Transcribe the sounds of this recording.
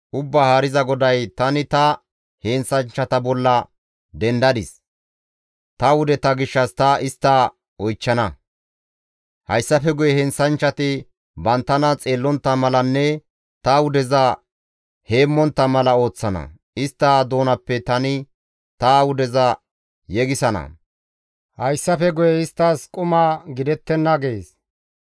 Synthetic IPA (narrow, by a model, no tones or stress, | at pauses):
ʔʊbːahaːɾɪzɐɡɔd̪ɐjt̪ɐnɪt̪ɐ | heːnsɐnt͡ʃːɐt̪ɐbɔlːɐ | d̪ɛnd̪ɐd̪ɪs | t̪ɐwʊd̪ɛt̪ɐɡɪʃːɐst̪ɐɪst̪ːɐ | ɔjt͡ʃːɐnɐ | hɐjsːɐfɛɡʊjɛhɛnsɐnt͡ʃːɐt̪ɪ | bɐnt̪ːɐnɐt͡sʼeːlːɔnt̪ːɐmɐlɐnːɛ | t̪ɐwʊd̪ɛzɐ | he̞ːmːɔnt̪ːɐmɐlɐo̞ːt͡sːɐnɐ̰ | ɪst̪ːad̪o̞ːnɐpːɛt̪ɐnɪ | t̪ɐwʊd̪ɛzɐ | jɛɡɪsɐnɐ̰ | hɐjsːɐfɛɡʊjɛɪst̪ːaːskʼʊmaːɡɪd̪ɛt̪ːɛnːɐɡeːs